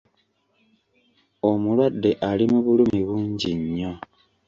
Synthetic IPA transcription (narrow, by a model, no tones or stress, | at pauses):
omulwadːe̞ʔalimuβulumiβuːɲɟiɲːo̞